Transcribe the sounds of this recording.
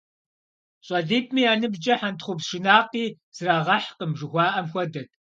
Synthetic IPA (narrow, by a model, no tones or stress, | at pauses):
ɕʼɐɮiːp̚ʰʼmiːaːnɨbd͡ʒɐħantχʷʊpʃɨnaːqiː | z̥ɨraːʁɐħqəmʒɨxʷɑːʔɐmxʷɔdɐt̚ʰʼ